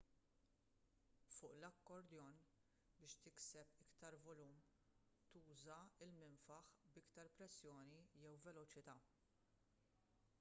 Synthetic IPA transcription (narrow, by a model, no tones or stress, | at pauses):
fʊːʔlɐkːɔɾd̪jɔn | bɪːʃt̪ɪksɛpɪkt̪ɐɾvɔluːm | t̪uːzɐɪlmɪnfɐħbɪkt̪ɐɾpɾɛsːjɔːnijɛwvɛlɔt͡ʃɪt̪ɐː